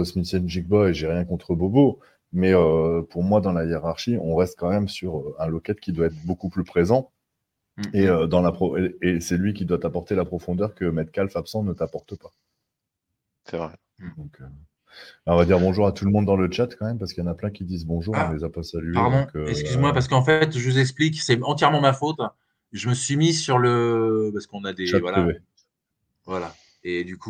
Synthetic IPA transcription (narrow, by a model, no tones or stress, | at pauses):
ɔsmisɛnʒik̚bɔeʒɛʁjɛ̃kɔ̃t̪χəbobo | mɛøpuʁmwad̪ɑ̃lajeʁaʁʃiɔ̃ʁɛst̪̚kɑ̃mɛmsyʁøɛ̃lɔkɛt̪kʲid̪waɛt̪χbokuplypχezɑ̃ | eød̪ɑ̃lapχɔeesɛlɥikʲid̪wat̪apɔʁt̪elapχɔfɔ̃d̪œʁkəmɛt̪kalfapsɑ̃nət̪apɔʁt̪əpa | sɛvʁɛ | d̪ɔ̃kʰø | bɛɔ̃vad̪iʁbɔ̃ʒuʁat̪uləmɔ̃d̪ːɑ̃lət͡ʃat̪kɑ̃mɛmpaʁsəkəjɑ̃naplɛ̃kʲid̪izbɔ̃ʒuʁɔ̃lezapasalyeaʁd̪ɔ̃køɛskʲyzmwapaʁsə̥kɑ̃fɛt̪ʒəvuzɛkspliksɛɑ̃t̪jɛʁmɑ̃mafot̪ | ʒəməsɥimisyʁləpaʁskɔ̃nad̪eat̪vwalaeve | vwala | ed̪yku